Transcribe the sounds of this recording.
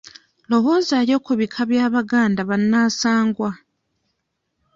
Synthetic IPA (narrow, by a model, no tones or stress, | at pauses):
lo̞wo̞zaɾjo̞ːkuβikʰaβjaːβaɡaːndaβanːaːsaːŋɡwa